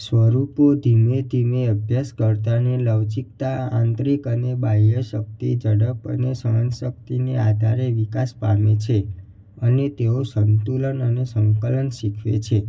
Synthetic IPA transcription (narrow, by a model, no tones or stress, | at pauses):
sʋəɾupod̪ʱimed̪ʱimeəbʱjaskəɾt̪aneləʋd͡ʒik̚t̪aãnt̪ɾikənebajəʃək̚t̪id͡ʒəɽəpə̰nesəənʃək̚t̪inead̪ʱaɾeʋikaspamet͡ʃʰe | ənet̪eosənt̪ulənənesəŋkələnʃikʰʋḛt͡ʃʰe